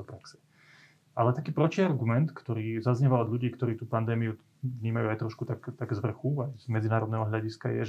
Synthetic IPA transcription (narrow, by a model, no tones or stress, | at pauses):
ɔpɾaksɛ̥ | ʔalɛt̪akiːpɾɔt͡ʃiaɾɡumɛnt̪kt̪ɔɾiːzazɲɛʋaɔd̪ʎuɟiːkt̪ɔɾiːt̪uːpand̪ɛːmiu | vɲiːmajuajt̪ɾɔʃkut̪akt̪aɡzʋr̩xuajzmɛd͡zinaːɾɔd̪nɛɦɔɦʎaɟiska̰jɛ̰ʒ